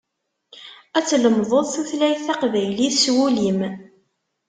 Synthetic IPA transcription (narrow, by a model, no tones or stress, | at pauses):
æt͡sːləmðˤoðˤθuθlæjθæqvæjliθswulim